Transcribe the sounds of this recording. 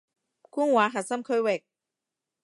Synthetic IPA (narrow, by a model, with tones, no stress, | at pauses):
ku˧˥əŋwaː˨˦ɦa˨˩sa˥˧mkʰəː˧wɛ˨˩k̚